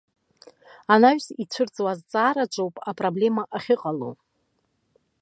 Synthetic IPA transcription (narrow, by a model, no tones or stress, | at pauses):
anaɥᶣsit͡ɕʷʰɨrt͡sʼwazt͡sʼaːɾat͡ʃʷʼowpʼapʼroble̞maʔaχʲɪqʼalo̰w